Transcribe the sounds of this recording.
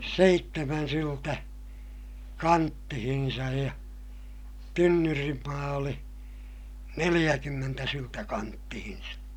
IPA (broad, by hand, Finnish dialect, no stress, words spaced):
seitːemæn syltæ kɑntːihinsɑj jɑ tynːyrimːɑː oli nelij̆ækymːentæ syltæ kɑntːihin̞sɑ